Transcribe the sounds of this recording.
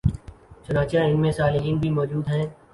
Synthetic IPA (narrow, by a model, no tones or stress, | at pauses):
t͡ʃʊnãːt͡ʃjãːɪnmẽːsaːlɪɦiːnbʱimɔːd͡ʒuːd̪ɦɛ̃ː